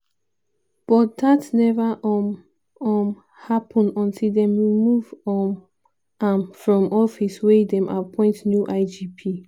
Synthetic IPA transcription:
b̥ɔt̚datnɛvaʔ | ɔ̃m | hapʰɔ̃nɔ̃ntʰildɛ̃mwimuvɔ̃n | ãnfɹɔ̃mɔfiswɛdɛ̃mʔa̰pʰɔ̃ɪ̃ntnjuʔaɪd͡ʒipʰi

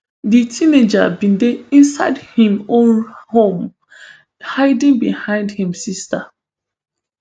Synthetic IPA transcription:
ditʰined͡ʒa̰bĩndeĩnsaɪdhĩmõnhõm | haɪdĩŋbihãɪ̃ndhĩmsista

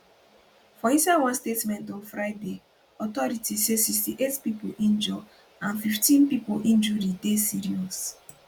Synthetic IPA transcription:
fɔĩsawɔ̃nstetmɛ̃ntɔ̃nfɹaɪde | ɔtɔɹitisesikstiʔetpipoʔĩnd͡ʒɔ | ãnfiftĩnpipoʔĩnd͡ʒuɾidesiɹiɔs

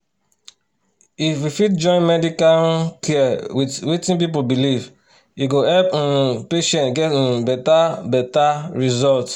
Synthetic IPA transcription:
ifwifit̚d͡ʒɔ̃ɪ̃nmɛdikalkʰɛwiwitĩnp̬ip̬olbiliv | iɡohɛlpnpeʃɛ̃ntɡɛtbɛtabɛtaɹizɔlt

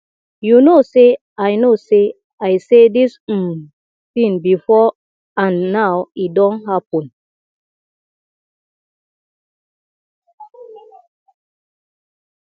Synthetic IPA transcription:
junose | ajnose | ajsedis̩ | θĩnbifɔ | anːaʊidɔ̃nɦapun

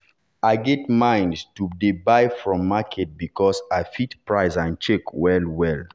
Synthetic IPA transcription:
aɪɡɛtmãɪ̃ndstudebaɪfɹɔ̃mːakʰɛt̚bikɔsaɪfitpɹaɪsãnt͡ʃekwɛlwɛl

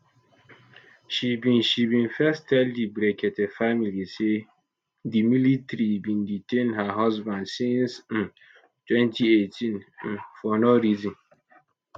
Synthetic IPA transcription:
ʃibĩnʃibĩnfɛstʰɛldibɾɛkʰɛtɛfamilise | dimilitɾibĩnditʰẽnɦaɦɔzbãndsĩnsn̩ | tʰwɛ̃ntʰietʰĩnn̩fɔnɔɾizĩn

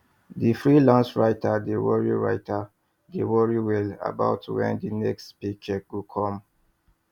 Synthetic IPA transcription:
difɹilãnsɹaɪtʰadewɔɹḭɹa̰ɪtʰa | dewɔɹiwɛla̰ba̰ʊtwɛ̰̃ndinɛkstpit͡ʃɛɡukʰɔ̃m

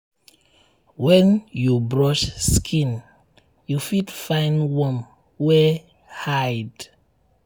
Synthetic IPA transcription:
wɛ̃njubɹɔʃskʰĩn | jufidfãɪ̃nwɔ̃m | wɛ | hajd

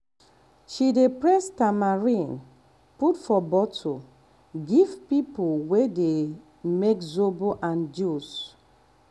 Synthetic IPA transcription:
ʃidepɹɛstamaɹĩn | putfɔbɔtʰo | ɡivpipulwede | mekzoboʔãnd͡ʒus

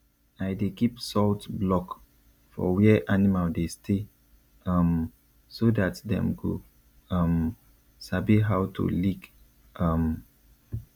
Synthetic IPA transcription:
aɪdekipsɔltblɔk | fɔ̰wɛʔanimaldestʰe | ʌm | sodatdɛ̰̃mko̰ | ʌ̃m | sabiɦawtʰṵlik | ʌm

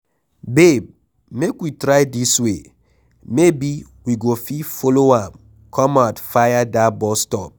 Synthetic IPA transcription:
beb̚ | mekwitɾajdiswe | mebi | wiɡofifoloãm | kʰɔ̃matfajadabɔstɔp̚

